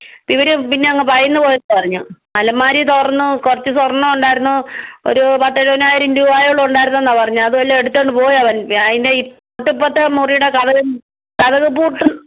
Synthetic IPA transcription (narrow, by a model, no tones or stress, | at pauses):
piʋɐɾupinːe̞ɐŋːɐpɐrɐjunːɨpo̞ːjenːɨpɐrɐɲːumɐlɐmːaːɾit̪orɐnːukurɐt͡ɕːɨsɐrɐnːɐmɳɖaːjiɾunːuo̰ɾupɐʈːɐɾonaːjiɾɐmduːʋaːjoɭːuuɳɖaːjiɾunːuenːaːpɐrɐɲːuɭɐðɨʋɐlːeeɽut̪ːeːɳɖɨpo̞ːjɐʋɐnɐðindeipː | oʈːipːɐt̪ːɐmurijuɽekɐðɐɣɨ | kɐðɐɣɨpuːʈːɨ